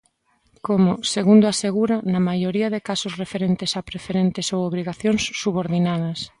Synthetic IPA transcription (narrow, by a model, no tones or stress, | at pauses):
komʊseɣund̪oaseɣuɾɐnɐmajoɾiɐðɪkasʊsrefeɾent̪ɪsapɾefeɾent̪ɪsowoβɾiɣaθjoŋsːuβoɾðinaðɐs